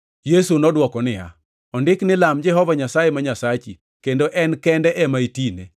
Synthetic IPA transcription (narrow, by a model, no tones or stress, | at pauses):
jesunɔdwɔkɔnɪja̰ | ɔndɪknɪlamd͡ʒɛɦɔvaɲasajemaɲasat͡ʃi | kendoʔɛnkɛndɛʔɛmaitinḛ